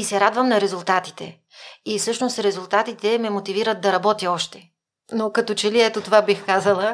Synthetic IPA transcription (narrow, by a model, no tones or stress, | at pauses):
isɛɾad̪vəmnɐɾɛzulˠt̪at̪i̥t̪ɛ̰ | ifsɤʃnost̪ɾɛzulˠt̪at̪it̪ɛmɛmot̪iviɾət̪̚d̪ɐɾɐbɔt̪jəɔʃt̪ɛ | nokɐt̪ot͡ʃɛliɛt̪ot̪ovabixkazəlˠə